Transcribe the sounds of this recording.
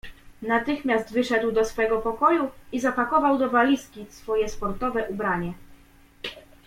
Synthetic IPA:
nat̪ɘxmʲjazt̪vɘʂɛd̪wd̪ɔsfɛɡɔpɔkɔjuizapakɔvawd̪ɔvalʲiskʲisfɔjɛspɔɾt̪ɔvɛʔubɾaɲɛ

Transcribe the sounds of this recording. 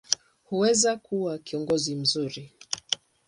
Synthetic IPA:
huwɛzakuwakiɔŋɡɔzim̩zuɾi

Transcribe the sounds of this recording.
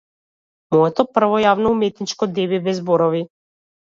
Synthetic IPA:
mɔɛt̪ɔpr̩vɔjavnɔumɛt̪nit͡ʃkɔd̪ɛbibɛzbɔɾɔvi

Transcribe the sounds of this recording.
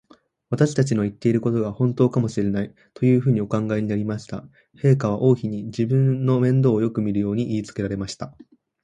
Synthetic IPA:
βat̪aɕi̥t̪at͡ɕino̞it̪ːe̞iɾɯ̟ko̞t̪o̞ɡahõ̞nt̪oːkamo̞ɕiɾe̞nai | t̪o̞jɯ̟ːɸɯ̟ːɲ̟io̞kãŋɡaiɲ̟inaɾʲimaɕi̥t̪a̰ | he̞ːkaβ̞aʔo̞ːçiɲ̟id͡ʑibɯ̟̃nːo̞mẽ̞nd̪o̞ːjo̞kɯ̟mʲiɾɯ̟jo̞ːɲ̟iʔiːt͡sɨ̥ke̞ɾaɾe̞maɕi̥t̪a

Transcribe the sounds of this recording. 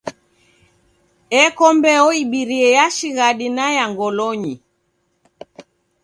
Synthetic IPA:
ɛkɔmbɛɔiɓiɾiɛjaʃiɣaɗinajaŋɡɔlɔɲi

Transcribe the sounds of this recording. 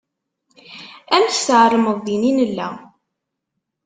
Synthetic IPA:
ænst̪əʕɾˤəməðˤðininəlːæ̰

